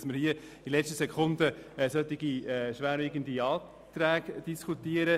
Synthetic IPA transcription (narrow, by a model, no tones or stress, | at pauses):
sməɾhiə | d̥ilɛt͡ʃtəsɛkχʊnd̪əsœt̪ːɪɡ̥iɛʃʋæːɾɪɡənd̪iɑː | t̪ɾæːɡ̥d̥iskʰut̪iəɾə